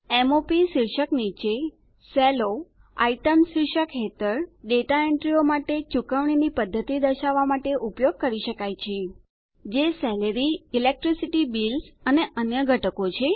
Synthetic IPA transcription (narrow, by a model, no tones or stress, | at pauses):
emopisiɾʃəknit͡ʃe | sɛlo | a̰iʈəmsiɾʃəkɦet̪əɾɖeʈaeɳʈɾiomaʈet͡ʃukəʋɳ̃inipəd̪ʱːət̪id̪əʃaʋːamaʈeʔupjoɡ̚kəɾiʃəkajt͡ʃʰe | d͡ʒesɛləɾiilek̚ʈɾisiʈibilsəneʔənjəɡʱəʈəkot͡ʃʰe